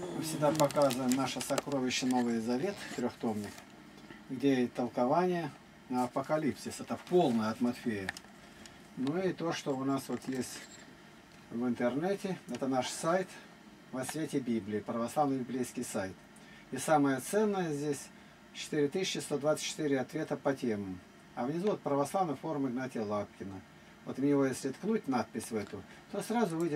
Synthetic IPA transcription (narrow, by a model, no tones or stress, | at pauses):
mɨfsʲɪɡ̚d̪apɐkazəvəmnaʂəsɐkɾovʲɪɕːəno̞vɨjzɐvʲe̞t̪ft̪ɾʲoxt̪o̞mnʲɪk | ɡdʲejeɪt̪ːəlˠkɐvanʲɪjə | nəɐpəkɐlʲipsʲɪsɛt̪əfpo̞lˠnəjəɐt̪mɐt̪fʲejə | nuɪt̪o̞ʂt̪oʊnasvo̞t̪jesʲtʲ | vɨnt̪ɨrnɛtʲɪɛt̪ənaʂsajt̪ | vɐsvʲetʲɪbʲiblʲɪːpɾəvɐslˠavnɨjbʲɪblʲejskʲɪjsajt̪ | isaməjət̪sɛnːəjəzʲdʲesʲ | t͡ɕɪ̥t̪ɨɾʲɪt̪ɨsʲɪt͡ɕːɪst̪o̞d̪vat̪sə̥tʲt͡ɕːɪ̥t̪ɨɾʲɪɐt̪vʲe̞t̪əpɐtʲeməm | ɐvnʲɪzuot̪̚pɾəvɐslˠavnəjfo̞ɾʊmɨɡnatʲɪjəlˠap̚kʲɪnə | vot̪mʲnʲɪvojesʲlʲɪt̪knutʲnat̪̚pʲɪsʲvɛt̪ʊ | t̪osɾazʊvɨjdʲɪ